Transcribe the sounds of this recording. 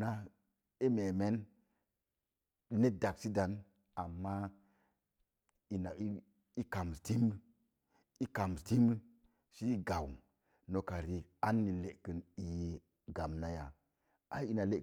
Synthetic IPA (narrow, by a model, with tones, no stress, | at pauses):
na˦ | i˦me˨me˦n | i˦ne˦da˨ksi˦da˨n | a˨mːa˦ | i˨na˨i˦ | i˦ka˨m˨sti˦m˦ | i˦ka˨m˨sti˦m˦ | si˦i˦ɡa˨w | no˨ka˨ɾi˨a˦nːi˨le˨kə˨ni˨je˨ | ɡa˨mna˦ja˨ | a˦i˦na˨le˦˨